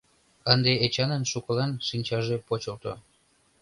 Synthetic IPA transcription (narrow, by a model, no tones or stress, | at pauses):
ənd̪eet͡ɕɑnənʃukɤ̆lɑnʃinʲt͡ɕɑʒepot͡ɕəlt̪o̰